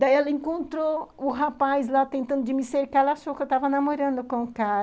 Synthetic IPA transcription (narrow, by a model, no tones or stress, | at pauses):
d̪aiɛlɐẽkõnt̪ɾoʊɦapazlat̪ẽnt̪ɐ̃nd̪ʊd͡ʒɪmɪseɾkaɾlaʃowkewt̪avɐnamoɾɐ̃nd̪ʊkõkaɾ